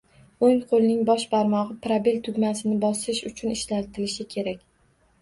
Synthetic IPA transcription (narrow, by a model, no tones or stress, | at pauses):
oŋqʰolˠɪnɪŋbɒʃpʰaɾmɒʁɨpɾabelt̪ʰʊɡʲmasɪnɪbɒsɪʃʊt͡ʃʰʊnɪʃlalt̪ʰɪlɪʃɪkʲʰe̞ɾakʲ